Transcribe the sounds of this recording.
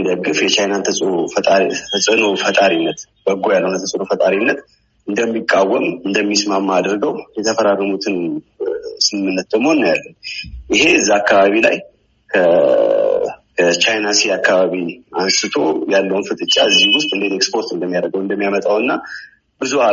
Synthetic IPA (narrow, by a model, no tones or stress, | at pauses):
d̪əɡɨfjɛt͡ʃajnant̪ʰəsʼʰ | əsʼənofət̪ʼaɾinːət̪ | b̥əɡojalːəwunət̪ʰəsʼɨnofət̪ʼaɾinːət̪ | ʔɨnd̪əmːikʼːawːəmɨnd̪əmːismamːad̪ɾɡəwjɛt̪ʰəfəɾarːəmut̪ʰɨn | sɨmɨmːɨnːət̪̚d̪əmhonːəjalːənjɪɦe̞ɨzːaakːaβaβila̰j | kʰə | kʰət͡ʃajnasiakːaβaβiansɨt̪ʰo̞̰jalːəwunfɨt̪ʼɨt͡ʃʼːa̰ɨzːihiwʊst̪ʼɨnd̪et̪ekspo̞ɾt̪ɨnd̪əmːijaɾəɡəwɨnd̪əmːijamət̪ʼawɨnːa | bɨzua